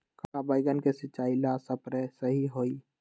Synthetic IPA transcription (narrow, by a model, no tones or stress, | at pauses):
kakabaːiɡənkesɪt͡ʃːaːilaːsəpɾesəɦiɦoːi